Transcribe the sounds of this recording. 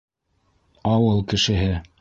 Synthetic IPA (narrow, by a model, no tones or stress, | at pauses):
ɑwɤlˠkɘ̆ʃɘ̆ɦɘ